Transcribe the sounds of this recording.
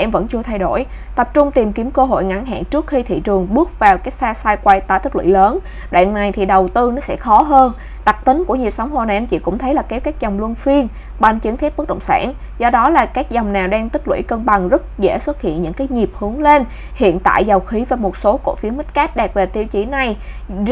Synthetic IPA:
ʔɛ˧mvə̰˧˥nt͡ɕɨ˧ət̪ʰa˧jɗo̰˧˩j | t̪ə˨˩p̚t͡ɕʊ˧ŋ͡mt̪i˨˩mki˨˦əmkəː˧ɦo̰˧˨jŋa̰˧˥nɦa̰ː˧˨nt͡ɕɨ˦˥ək̚xi˧t̪ʰḭ˧˨t͡ɕɨ˨˩əŋɓɨ˦˥ək̚vaː˨˩wkaː˨˦jfaː˧saː˧jkwa˧jt̪aː˧˩t̪i˦˥k̚lwḭ˧˥˨ləː˨˦n | ɗwa̰ː˧˨nna˨˩jt̪ʰi˨˩ɗə˨˩wt̪ɨ˧nɔ˨˦sɛ̰˧˥xɔ˨˦ɦəː˧n | ɗa˨˩k̚t̪ï˨˦ŋ̟ku˧˩əɲi˨˩əp̚sa˨˦wŋ͡mɦo˨˩na˨˩ʔmt͡ɕḭ˧˩kʊ̰˧˥ŋ͡mt̪ʰə˨˦jlaː˨˩kɛ˨˦˥wkaː˦˥k̚zɔ˨˩wŋ͡mlu˧ənfi˧ən | ɓa˧˩nt͡ɕɨ˨˦ŋt̪ʰɛ˦˥p̚ɨ˦˥k̚ɗə̰˧˨ŋ͡msa̰ː˧˩n | zɔ˧ɗɔ˨˦laː˨˩kaː˦˥k̚zɔ˨˩wŋ͡mnaː˨˩wɗaː˧ŋt̪ï˦˥k̚lwḭ˧˩jkəː˧nɓa˨˩ŋzə˦˥t̚zɛ̰˧˥swə˦˥t̚hḭ˧˨ənɲɨ̰˧˥ŋkaː˨˦jɲi˨˩əp̚hɨ˨˦əŋle˧n | hḭ˧˨ənt̪a̰ː˧˨jza˨˩wxi˨˦vaː˨˩mo˨˩t̚so˨˦ko̰˧˥fi˨˦əmï˦˥t̟̚kaː˦˥p̚ɗɛː˨˩k̚ve˨˩t̪i˧əwt͡ɕi˧˩˦na˨˩j

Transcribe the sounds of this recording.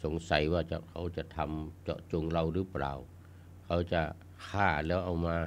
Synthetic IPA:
so˨˦ŋsa˨˦jwaː˧˩t͡ɕa̰˧˩kʰa˨˥wt͡ɕa˨˧˩t̪ʰa˧mt͡ɕɔ̰˧˩ʔt͡ɕo˧ŋɾa˧wɾɯː˦˥pɾa̰ː˨˩w | kʰa˧˥wt͡ɕa˧˩ʔ | kʰaː˧˩lɛː˦˥wʔa˧˩wmaː˧

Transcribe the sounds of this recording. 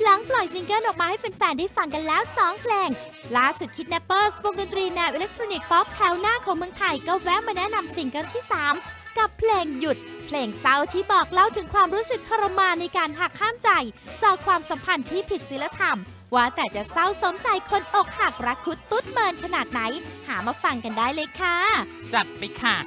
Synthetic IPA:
la˩˦ŋplɔ˨˩jsi˧ŋkɤ˥˩nʔɔː˨˩k̚maː˧ha˥˩jpe˧nfɛː˧ndaː˥˩jfa˧ŋka˧nlɛː˦˥wsɔː˩˦ŋpʰleː˧ŋ | laː˥˩su˨˩t̪̚kʰi˦˥t̪̚nɛ˦˥pːɤː˥˩swo˧ŋdo˧nt̪ɾiː˧nɛː˧wʔi˧le˦˥k̚t̪ʰɾoː˧ni˨˩k̚t̪ɔː˦˥p̚t̪ʰɛː˨˦˥wnaː˥˩kʰɔː˩˦ŋmɯ˧əŋt̪ʰa˧jkɔː˥˩wɛ˦˥wmaː˧nɛ˦˥na˧msi˨˧ŋkɤ˥˩nt̪ʰiː˥˩saː˩˦mka˨˩pʰleː˧ŋju˨˩t̪̚pʰleː˧ŋsa˦˥˩wt̪ʰiː˥˩bɔː˨˩k̚la˥˩wt̪ʰɯ˩˦ŋkʰwaː˧mɾuː˦˥sɯ˨˩kʰːa˧ɾa˧maː˧na˧jkaː˧nɦaː˨˩k̚ʰhaː˥˩mt͡ɕa˧jt͡ɕɔː˨˩kʰwaː˧msa˩˦mpʰa˧nt̪ʰiː˥˩pʰi˨˩t̪̚si˨˦la˧t̪ʰa˧m | waː˥˩t̪ɛː˨˩t͡ɕa˨˩sa˥˩wso˨˩˦mt͡ɕa˧jkʰo˧nʔo˨˩k̚ha˨˩k̚ɾa˦˥kʰu˦˥t̪ːu˦˥t̪̚mɤː˧nkʰa˧naː˨˩t̪̚na˩˦jhaː˩˦maː˧fa˧ŋka˧ndaː˥˩jleː˧kʰa˥˩ | t͡ɕa˨˩t̪̚pa˧jkʰa˧˩

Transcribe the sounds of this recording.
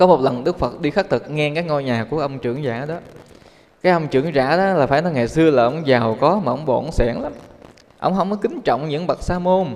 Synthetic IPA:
kɔ˨˦mo˨˩t̚lə˨˩nɗɨ˦˥k̚fə˨˩t̚ɗi˧xa˦˥k̚t̪ʰɨ˨˩k̚ŋɛ˧kaː˨˦jŋɔ˧jɲaː˨˩ku˧˩əʔə˧wŋ͡mt͡ɕɨ˧˩əŋza̰ː˧˩˥ɗɔ˨˦ | kaː˨˦jʔə˧wŋ͡mt͡ɕɨ̰˧˩əŋza̰ː˧˥ɗɔ˨˦laː˨˩faː˧˩jnɔ˨˦ŋa˨˩jsɨ˧əlaː˨˩ʔə˧˦wŋ͡mzaː˨˩wkɔ˨˦maː˨˩ʔə˧wŋ͡mɓɔ̰˧˩nsɛ˧˩ŋla˨˦m | ʔə̰˧˥wŋ͡mɦə˧wŋ͡mmɔ˨˦kï˨˦ŋ̟t͡ɕɔ̰˧˨wŋ͡mɲɨ̰˧˥ŋɓa˨˩t̚saː˧mo˧n

